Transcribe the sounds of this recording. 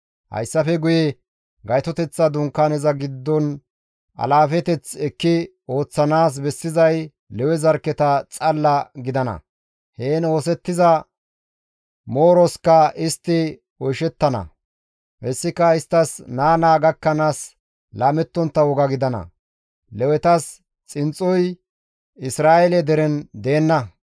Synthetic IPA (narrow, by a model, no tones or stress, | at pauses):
hɐ̰jsːɐfɛɡʊjɛ | ɡɐjt̪ɔt̪ɛt͡sːɐd̪ʊŋkːaːnɛzɐɡɪd̪ːɔn | ʔɐ̰laːfɛt̪ɛt͡sɛkːɪ | o̞ːt͡sːɐnaːs̬bɛsːɪzɐj | lɛwɛzɐɾkːɛt̪ɐt͡sʼɐlːɐɡɪd̪ɐnɐ̰ | heːno̞ːsɛt̪ːɪzɐ | moːɾɔskɐɪst̪ːɪ | ɔjʃɛt̪ːɐnɐ̰ | hɛsːɪkːɐɪst̪ːɐsnaːnaːɡɐkːɐnaːs | laːmɛt̪ːɔnt̪ːɐwɔɡɐɡɪd̪ɐnɐ̰ | lɛwɛt̪ɐs | t͡sʼɪnt͡sʼːɔj | ɪsɾaːɛlɛd̪ɛɾɛnd̪e̞ːnːɐ